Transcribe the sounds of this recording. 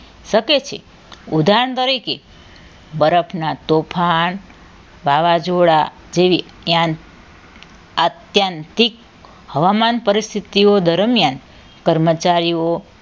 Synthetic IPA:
ʃəket͡ʃʰḛ | ud̪ʱaɾəɳd̪əɾike | bəɾəpʰnat̪opʰan | ʋaʋad͡ʒoɽa | d͡ʒeʋi | jãn | ət̪jənt̪ik̚ | həʋamanpəɾist̪ʰit̪iod̪əɾmjan | kəɾmət͡ʃaɾio

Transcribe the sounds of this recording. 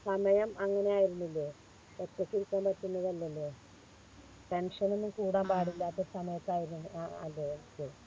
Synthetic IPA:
sɐmɐjɐmɐŋːɐne̞aːjiɾunːilːoː | pɐt̪ːɐkːiɾukːaːmpɐtːunːɐðɐlːɐlːoː | ʈenʂɐnenːikuːɽaːmpaːɽilːaːt̪ːesɐmɐjɐt̪ːaːjiɾunːṵɐ̰lːookːe

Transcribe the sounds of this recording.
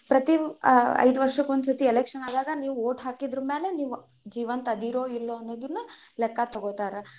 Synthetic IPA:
pɾɐt̪iɐ̰jd̪uʋɐɾʂɐkːond̪sɐt̪ielekʂɐnaːd̪aːɡɐniːʋuoːʈɦaːkid̪ɾɐmeːle̞niːʋu | d͡ʒiːʋɐnt̪ɐd̪iɾoːilːoɐnːoːd̪ɐnːu | lɛkːɐt̪ɐɡoːt̪aːɾɐ

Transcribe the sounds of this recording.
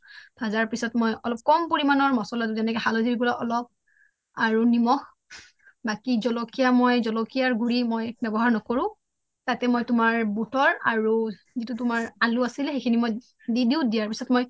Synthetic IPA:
b̥ʱazaɹpisɔtmojʔɔlɔp̚kɔmpoɹimanɔɹmɔsɔlɔtʊzɛnɛkɔxalodiɹiɡulaʔɔlɔp̚ | aɹunimɔx | bakizɔlɔkijamɔjzɔlɔkijaɹɡuɹimojbɛbɔɦaɹnɔkoɹʊ̃ | tatɛmɔjtʊmaɹbutɔɹa̰ɹu | zitutʊmaɹaluasilɛxejkʰinimoj | didiʊdijaɹpisɔtmoj

